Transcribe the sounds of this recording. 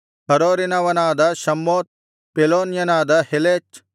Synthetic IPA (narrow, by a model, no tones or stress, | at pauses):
ɦɐɾoːɾinɐʋɐnaːd̪ɐʃɐmːoːt̪̚ | peloːnjɐnaːd̪ɐheleːt͡ʃ